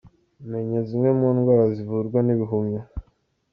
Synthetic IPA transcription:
meɲezimemuːnɡwaːɾazivuɾɡwaniβiɦumɲa

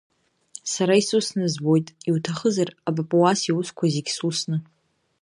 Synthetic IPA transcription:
saɾaisusnɨzbo̞jtʼiwtʰaχəzarabapʼuwasiwuskʷʰaziɡʲsusnɨ

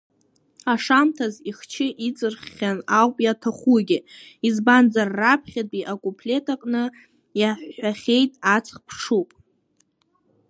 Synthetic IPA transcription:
aʂamtʰaziχt͡ʃʰɪʔit͡sʼɨrχːʲanawpʼjatʰaχuɡʲɪizband͡zarːapʰχʲatʼiʔakʼupʰlʲe̞tʰakʼnɨ | jaħʷːaχʲejtʼat͡sʰʼχpʰʂupʼ

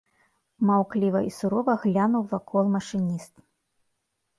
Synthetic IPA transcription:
mawklʲivɐʔisuɾɔvɐɣlʲanuwvakʰɔlˠmɐʂɨnʲist̪

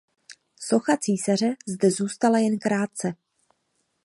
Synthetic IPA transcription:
so̞xat͡siːsar̝ɛzdɛzuːst̪alajɛnkɾaːt̪̚t͡sɛ

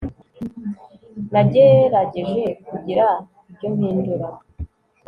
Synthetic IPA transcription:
naɟeɾaɟeʒe̞kuɟiɾa | ibɟo̞m̥hiːnduɾa

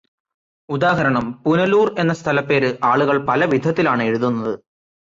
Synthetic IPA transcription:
ud̪aːɦɐɾɐɳɐmpunɐluːre̞nːɐst̪ʰɐlɐpːe̞ːɾɨʔaːɭuɣɐɭpɐlɐʋid̪ʱɐt̪ːilaːɳɨe̞ɻuðunːɐðɨ

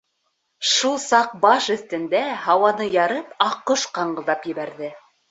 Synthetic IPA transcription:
ʃulˠsɑq̚bɑʃɵ̆θt̪ɘ̆nd̪æhɑwɑnɤjɑɾɤpɑqːoʃqɑɴɢɤ̆lˠd̪ɑpjɘ̆βæɾðɘ

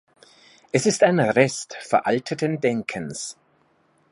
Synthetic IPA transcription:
ʔɛsɪstaɪnʁɛstfɛɐʔaltʰətəndɛŋkʰəns

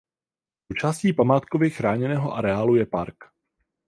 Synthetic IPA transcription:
sowt͡ʃaːsciːpamaːt̪kovɪxɾaːɲɛnɛːɦo̞ʔaɾɛaːlujɛpaɾk

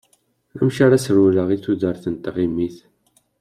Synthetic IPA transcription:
æmʃaɾasɾuləʁiθuðəɾθənt̪ʁimːiθ

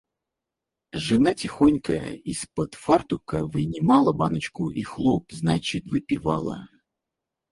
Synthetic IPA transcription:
ʐɨnatʲɪxonʲkəjə̰ispət̪fart̪ʊkəvɨnʲɪmalˠəbanət͡ɕkʊʔixlˠop̚znat͡ɕɪt̪vɨpʲɪva̰lˠə̰

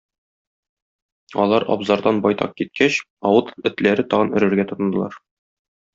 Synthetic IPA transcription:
ɒ̰lˠɑɾɒ̰bzɑɾd̪ɑnbɒjt̪ɑq̚kit̪̚kʰæɕ | ɒwɤt̪ɵ̆t̪læɾɘt̪ɒʁɤnɵ̆ɾɘ̆ɾɡæt̪ŏt̪ɤ̆nd̪ɤ̆lˠɑɾ

